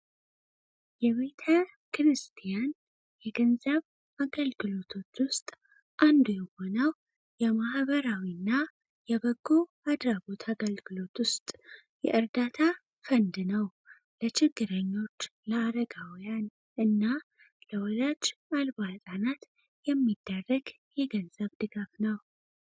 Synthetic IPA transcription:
jɛβe̞t̪ʰə | kɾɨst̪ʰijan | jɛɡənzəβ | aɡəlɡɨlo̞t̪ʰo̞t͡ʃːwʊst̪ʼ | ʔand̪ujɛho̞nəw | jɛmahβəɾawinːa | jɛβəɡːo | ad̪ɾaɡo̞t̪ʰaɡəlɡɨlo̞t̪wʊst̪ʼ | jɛ̰ʔɨɾd̪at̪ʰa | fənd̪nəw | lət͡ʃʰɪɡːɨɾəɲːo̞t͡ʃːləaɾəɡawjan | ʔɨnːa | ləwɔlad͡ʒalbat̪ʼanat̪ | jɛmːid̪̥ːarːəɡ | jɛɡənzəβd̪ɨɡafnəw

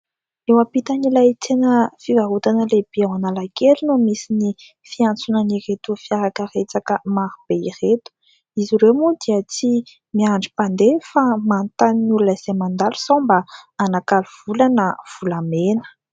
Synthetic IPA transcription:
ewapit̪anilajt̪enəfivaɦut̪anəleb̥iawanalakelinumisini | fiant͡sunəniret̪ufiaɾakəret͡sakəmaɾub̥eiret̪u̥ | iziɾemud̪̥iət͡si | miaɳɖ͡ʐi̥pand̪efamant̪aninulunaz̥emand̪alu̥sombaanakaluv̥ulanəv̥ulamenə̥

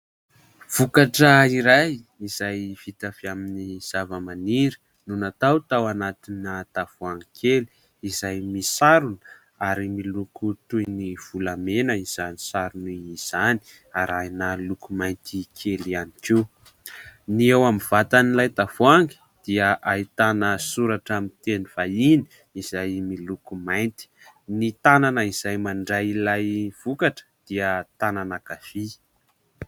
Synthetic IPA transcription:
v̥ukaʈ͡ʂəiɾaj | izajfit̪aviaminiz̥avəmaniɾi̥ | nunat̪awt̪awanat̪inat̪avuaŋɡikʰeli̥ | izajmisaɾun | aɾimilukut̪ujniv̥ulamenəiz̥anisaɾuniiz̥ani̥ | aɾajnalukumajnt̪ikʰelianike | niewamiv̥at̪anilajt̪afoaŋɡi̥ | d̪̥iəʔait̪anəsuɾaʈ͡ʂamint̪eniv̥aini̥ | izajmilukumajnt̪i̥nit̪ananəiz̥ajmaɳɖ͡ʐajilajv̥ukaʈ͡ʂə̥d̪̥iət̪ananaɡ̥afi

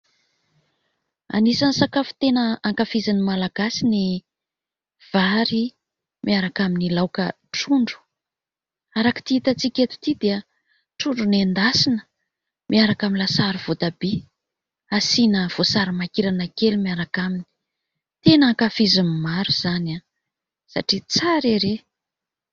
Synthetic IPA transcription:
a̰nisansakafu̥t̪enəaŋkafizinimalaɡasini | v̥aɾi | mʔiaɾakaminilawkə | ʈ͡ʂuɳɖ͡ʐu̥ | aɾaki̥t̪iit̪at͡sikʲet̪u̥t̪id̪eə | ʈ͡ʂuɳɖ͡ʐunend̪asinə̥ | mʔiaɾakaminlasaɾuv̥od̪abe | asinəv̥osaɾimakiɾanəkelimiaɾakamini̥ | t̪enaŋkafizinimaɾuz̥ana | sa̰ʈ͡ʂit͡saɾeɾe

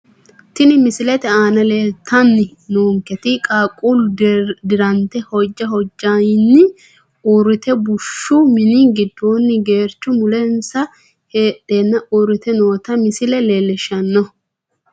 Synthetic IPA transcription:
t̪ɪnɪmɪsɪlɛt̪ɛaːnɐleːt̪ʰːɐnːɪ | noːŋkɛt̪ɪkʼaːkʼʊld̪ɪɾɐnt̪ɛhɔd͡ʒːɐhɔd͡ʒːajnːɪ | uːɾɪt̪ɛbʊʃːʊmɪniɡɪd̪ːoːnːɪɡe̞ːɾt͡ʃːʊmʊlɛnsɐ | heːɗeːnːɐʔuːɾɪt̪ɛnoːt̪ɐmɪsɪlɛleːlɛʃɐnːɔ

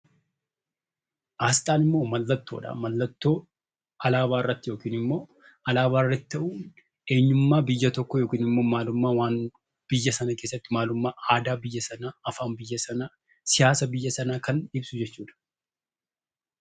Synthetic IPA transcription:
ʔaːst̪ʼaːnɪmːo̞ːmɐlːɐt̪ːoːᶑɐ̰mɐlːɐt̪ːo̞ː | ɐlaːbaːɪrːɐt̪ːɪjo̞ːkiːnɪmːo̞ː | ɐlaːβaːɪrːɐt̪ɪ̥t̪ɐʔuː | e̞ːɲːʊmːaːbɪjːɐt̪ɔkːɔjoːkiːnɪmːo̞ːmaːlʊmːaːwaːn | b̥ɪjːɐsɐnɐke̞ːsːɐt̪ːɪmaːlʊmːaːʔaːd̪aːbɪjːɐsɐnaːɐfaːnbɪjːɐsɐna | sɪjaːsɐbɪjːɐsɐnaːkɐnɪbsʊd͡ʒɛt͡ʃːuːᶑɐ̥

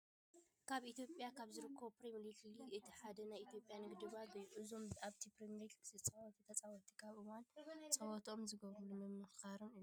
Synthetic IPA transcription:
kʰaβʔit̪jo̞pʼjakʰaβzɨɾɨkʰːɐwpɾimlikliʔɨt̪ʰiħad̪ɐnajʔit̪ʰijo̞pʼjanɨɡd̪ɨβaɡɐjuʔɨzo̞maβt̪ʰipɾimlikzɨt͡sʼɐwɔt̪ʰit̪ʰɐt͡sʼawɔt̪ʰi̥kʰaβʔɨwant͡sʼɐwɔt̪ʰo̞mzɨɡɐβɾɨlumɨmːɨxkaɾɨnɨ

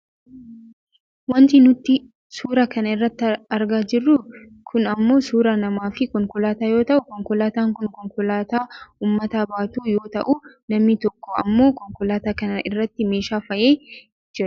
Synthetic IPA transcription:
wɐnt̪ɪnʊt̪ːɪ | suːɾɐkɐnɐɪrːɐt̪ːɪɐɾɡaːd͡ʒɪrːʊ | kʰʊnɐmːo̞ːsuːɾɐnɐmaːfɪkɔŋkʊlaːt̪aːjoːt̪ɐʔʊkɔŋkʊlaːt̪aːŋkʊnkɔŋkʊlaːt̪aːuːmːɐt̪aːbaːt̪uːjoːt̪ɐ̰ʔʊ | nɐmnɪt̪ɔkːɔɐmːo̞ːkɔŋkʊlaːt̪aːkɐnɐɪrːɐt̪ːɪme̞ːʃaːfɐʔeː | d͡ʒɪɾɐ̥

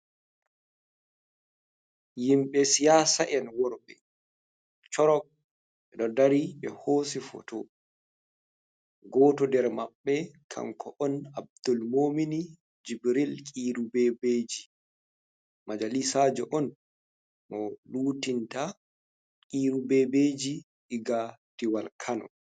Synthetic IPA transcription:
jimɓɛsijasaʔɛnwɔɾɓɛ | t͡ʃɔɾɔk̚ | ɛɗɔdaɾiɓɛhosifɔ̰tɔ | ɡɔːtɔdɛɾmaɓːɛkʰa̰ŋkʰɔʔɔnab̚d̪ɔlmomini | d͡ʒibɾilkʼiɾubɛbeːd͡ʒi | mad͡ʒalisad͡ʒɔʔɔn | mɔluːtinta | kʼiːɾubɛbed͡ʒi | ʔiɡatiwalkʰanɔ̰

